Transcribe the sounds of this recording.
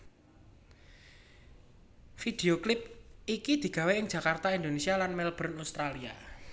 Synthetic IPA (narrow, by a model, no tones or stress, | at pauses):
fid̪̥eoklɪp̚ikid̪̥i̤ɡ̥ä̤weɪŋd͡ʒ̥äkart̪aind̪onesialanmɛlb̥ɾʊnaust̪ɾalia